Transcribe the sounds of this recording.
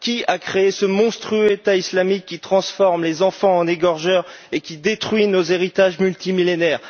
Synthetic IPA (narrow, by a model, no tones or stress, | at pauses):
kʲiakχeesəmɔ̃st̪χyøet̪aislamikʲːit̪χɑ̃sfɔʁmlezɑ̃fɑ̃ɑ̃neɡɔʁʒœʁ | ekʲid̪et̪χɥinozeʁit̪aʒmylt̪imilenɛːʁ